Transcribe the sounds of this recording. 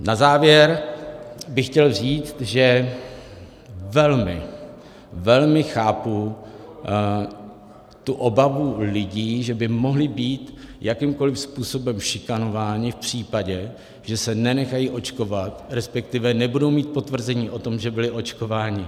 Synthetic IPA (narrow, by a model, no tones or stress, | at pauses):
nazaːvjɛɾ | bɪxcɛlriːt͡st̪ʒɛ | vɛlmɪ̰ | vɛlmɪxaːpu | t̪uʔo̞bavulɪɟiːʒɛbɪmo̞ɦlɪbiːt̪jakɪmko̞lɪfspuːso̞bɛmʃɪkano̞vaːɲɪfpr̝̥iːpaɟɛ | ʒ̥ɛsɛnɛnɛxajiːʔo̞t͡ʃko̞vat̪ɾɛspɛk̚t̪ɪvɛnɛbudo̞wmiːt̪̚po̞t̪vr̩zɛɲiːʔo̞t̪o̞mʒɛbɪlɪʔo̞t͡ʃko̞vaːɲɪ